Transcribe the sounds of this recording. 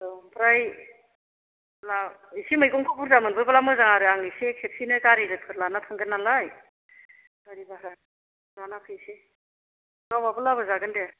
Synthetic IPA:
ɔpʰɾaj | laisimɯjkɔŋkʰapʰuɾzamɯnbɯbalamɯzaŋaɾɯaŋisekʰep̚sinɯkaɾiɾɯpʰɯɾlanatʰaŋɡɯnːalaj | kaɾibaɾa | ɾanapʰɯjse | ɡawbabɯlabɯzaɡɯnde

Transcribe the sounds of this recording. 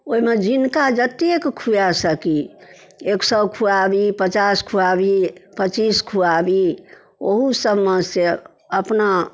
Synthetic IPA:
oimed͡ʒinkad͡ʒət̪iekkʰujasəki | eksəbkʰuabipət͡ʃaskʰuabipət͡ʃiskʰuabi | oɦusəbmese | əpna

